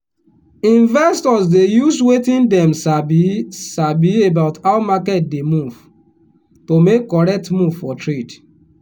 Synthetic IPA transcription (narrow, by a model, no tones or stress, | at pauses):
ĩnvɛstɔsdejuswetĩndɛ̃msabisabiebaʊtaʊmakɛt̚demuv̥ | tomekːɔɹɛk̚tmuvfɔtɹed